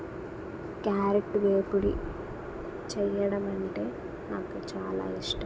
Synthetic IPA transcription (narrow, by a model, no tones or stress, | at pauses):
kjaːɾek̚ʈʋeːpuɽḭ | t͡ʃɛjːɐɽɐmɐɳʈe̞ː | naːkut͡ʃaːla̰ːiʂʈɐm